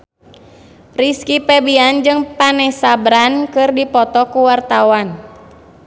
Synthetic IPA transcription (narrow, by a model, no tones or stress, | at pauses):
riskipɛbiand͡ʒɨŋpanɛsabɾankɨrdipɔt̪ɔkuwart̪awan